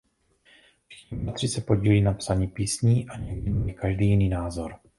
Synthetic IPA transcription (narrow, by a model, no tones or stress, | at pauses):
ɛt̪r̥ɪsɛpo̞ɟiːliːnapsaɲiːpiːsɲiːʔaɲɛɡɲimikaʒdiːjɪniːnaːzo̞ɾ